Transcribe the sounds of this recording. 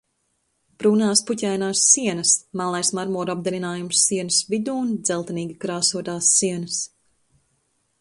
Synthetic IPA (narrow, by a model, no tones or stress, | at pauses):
b̥ɾuːnaːspucʲæjnaːsːiɛnɐsmaːlˠajsmaɾmuɔɾab̚d̪ɛɾinaːjumsːiɛnɨsvid̪uːnd̪z̥ɛlˠt̪ɛniːɡʲikɾaːsuɔt̪aːsːiɛnɐs